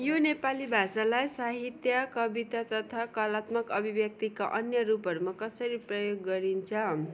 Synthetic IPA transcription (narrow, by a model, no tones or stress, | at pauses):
jonepalibʱasalajsaɦit̪jʌkʌbit̪at̪ʌt̪ʰakʌlat̪mʌkʌbʱibjʌk̚t̪ikaʔʌnjʌɾupɦʌɾumakʌsʌɾiprʌjoɡːʌɾint͡sʰʌ